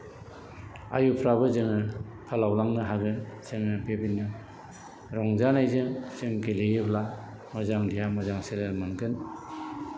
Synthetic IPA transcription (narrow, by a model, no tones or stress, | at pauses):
a̰jupʰɾaβɯzɯŋɯ | pʰalawlaŋnɯɦaɡɯnseŋɯbebinːɯ | ɾɔŋzanajzɯŋsɯŋkelejɯbla | mɔzaŋlijamɔzaŋselelmankɯn